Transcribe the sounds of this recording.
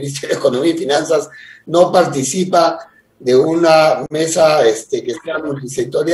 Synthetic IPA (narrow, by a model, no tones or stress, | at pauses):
is̬joðeko̞nomiaifinansazno̞paɾt̪isipa | ðeuname̞saest̪ekeseamunt̪isek̚t̪oɾj